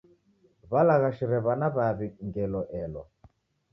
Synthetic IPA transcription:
βalaɣaʃiɾɛβanaβaβiŋɡɛlɔʔɛlɔ̰

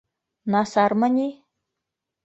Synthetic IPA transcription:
nɑsɑrmɤ̆nʲi

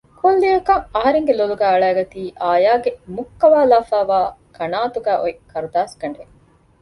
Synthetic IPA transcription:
kʰolːijɐkɐŋɐɦɐɾeŋɡeloluɡæːɐɭæːɡɐt̪iːʔaːjaːɡemukːɐʋaːlaːfaːʋaːkʰɐnaːt̪uɡæːʔoikɐɾud̪aːskɐɳɖe

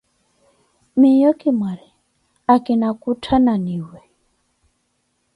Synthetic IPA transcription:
mijɔkimaɾi | akinakutʰananiwɛ

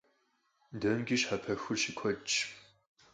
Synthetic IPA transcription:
dɐmɡʲiɕħapʰɐxʊrʃikʷʰɔt͡ʃʼ

